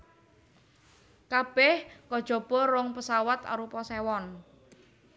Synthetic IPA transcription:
kab̥ɛhkɔd̥ʒ̥ɔ̤b̥ɔ̤ɾɔŋpəsawat̪a̰ɾupɔsewɔn

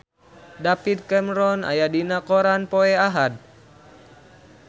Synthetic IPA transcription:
dapid̪̚kɛmɾɔna̰jadinakɔɾanpɔɛaɦad̪̚

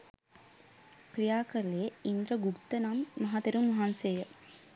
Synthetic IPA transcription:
kɾijaːkəɾleeind̪ɾəɡukt̪ənamːɐɦat̪eɾumːɐɦansejə

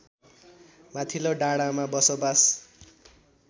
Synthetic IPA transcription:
mat̪ʰiloɖaɽamabʌsobas

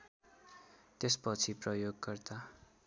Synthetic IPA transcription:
t̪espʌt͡sʰiprʌjoɡːʌrt̪a

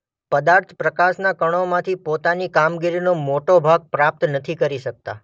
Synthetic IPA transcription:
pəd̪aɾt̪ʰpɾəkasnakəɽ̃omãt̪ʰipot̪anikamɡiɾinomoʈobʱaɡ̚pɾap̚t̪nət̪ʰikəɾiʃək̚t̪a̰

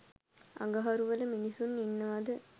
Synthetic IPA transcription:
ɐ̰ɡɐɦɐɾuʋɐləminisunːinːɐʋɐd̪ə

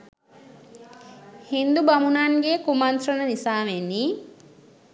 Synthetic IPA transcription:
hind̪ubɐmunaŋɡekumɐnt̪rɐnənisaːʋenːiː

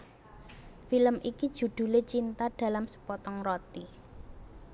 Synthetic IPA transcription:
filəmʔikid̥ʒ̥ṳd̪̥ṳlet͡ʃint̪aɖ̪̥a̤lamsə̥pɔt̪ɔŋrɔt̪i

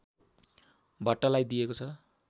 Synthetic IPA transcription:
bʱʌʈːʌlajd̪ijekot͡sʰʌ

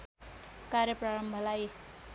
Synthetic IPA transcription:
kaɾjʌpraɾʌmbʱʌlaj

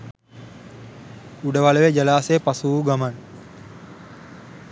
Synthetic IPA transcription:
uɖəʋaləʋed͡ʒɐlaːsepasuːɡaman

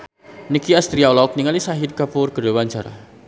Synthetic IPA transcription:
nikiast̪ɾiaɔlɔk̚niŋalisaɦit̪̚kapʊrɡ̥əɾowand͡ʒaɾa̰

